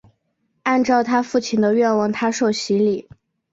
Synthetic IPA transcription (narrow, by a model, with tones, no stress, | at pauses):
a˥˧nʈ͡ʂɑ˥˧ʊt̪ʰa˥fu˥˩t͡ɕʰi˥˩nd̪ə˦ɥɛ˥˧nwɑ˥˩ŋt̪ʰa˥ʂo˥˩ʊɕi˧˥li˨˩˦